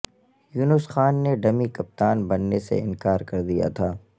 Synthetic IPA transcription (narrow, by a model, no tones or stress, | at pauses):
juːnʊsxaːnːeɖɐmikɐp̚t̪aːnbɐnːesḛɪ̃nkaːɾkɐɾd̪ija̰t̪ʰaː